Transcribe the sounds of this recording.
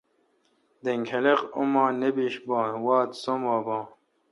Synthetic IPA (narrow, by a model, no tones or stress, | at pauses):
d̪eŋɡhelequmɑːnebiːʃbɑːnwɑːt̪somwɑːbɑː